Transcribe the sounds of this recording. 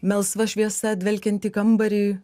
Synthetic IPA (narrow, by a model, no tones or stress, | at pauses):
mʲɛlˠsʋɐʃʲʋʲiɛsɐt̪ʲʋʲɛlʲkʲɛnʲt̪ʲiːkɐmbɐɾʲiː